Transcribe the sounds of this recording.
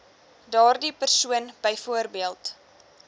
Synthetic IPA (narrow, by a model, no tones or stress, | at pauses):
dɑːrdipərsuənbəjfuərbiəlˠt